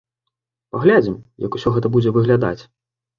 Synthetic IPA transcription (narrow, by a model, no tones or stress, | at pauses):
paɣlʲad͡zʲimjɐ̰ku̥sʲɔɣɛt̪ɐbud͡zʲɛvɨɣlʲad̪a̰t͡sʲ